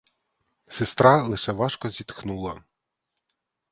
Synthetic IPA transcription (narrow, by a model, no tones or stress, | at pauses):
sɪst̪ɾɑlˠɪʃɛʋɑʃkɔzʲit̪xnulˠɐ